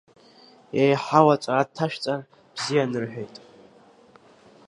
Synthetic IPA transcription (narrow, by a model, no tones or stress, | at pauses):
jejħawat͡sʷʼaatʰːaʃᶣt͡sʼa | b̥zijanɨrħᶣejtʼ